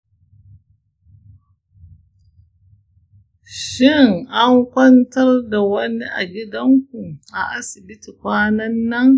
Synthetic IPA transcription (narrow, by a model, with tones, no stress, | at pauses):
ʃɪ˦ŋʔa˦ŋkʷɐ˦ntɐ˦rda˨wɐ˦ni˦ʔa̰˨ɡʲɪ˦dɐ˦ŋkʷu˨ʔa˨ʔa˦sɪ˨bɪ˦ti˨kʷaː˦nɐ˦nːɐ˦ŋ